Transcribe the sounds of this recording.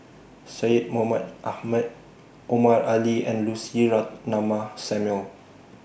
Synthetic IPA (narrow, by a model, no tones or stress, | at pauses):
sejət̚mɔmat̚ʔahmɛd̚ | omaɹaliɛ̃nlusiɹɔt̪nãmasɛ̃mjəl